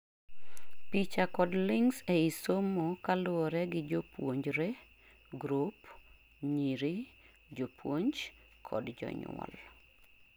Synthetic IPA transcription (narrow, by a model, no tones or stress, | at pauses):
pit͡ʃakɔdlɪŋsɛisomokalʊɔɾɛɡɪd͡ʒopwoɲd͡ʒɾe | ɡɾup | ɲiɾi | d͡ʒopwoɲd͡ʒ | kʰɔ̰dd͡ʒɔ̰ɲ̰ɔ̰l